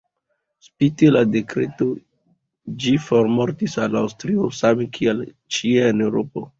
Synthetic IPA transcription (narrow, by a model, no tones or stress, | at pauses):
spitelade̞kɾeto | d͡ʒifoɾmoɾtisalawstɾiosamekʰiel | t͡ʃieenewɾopo̞